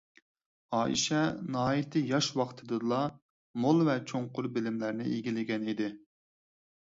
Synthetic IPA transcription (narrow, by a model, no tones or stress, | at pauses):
ɑːʔḭʃɛnɑɦɑːjit̪ʰɪjɑʃwɑχt̪ʰɨd̪ɨɨlˠɑ | molˠvɛt͡ʃʰoŋqʊɾbɪlɪmlæɾnɪeɡʲilɪɡʲɛnid̪ɪ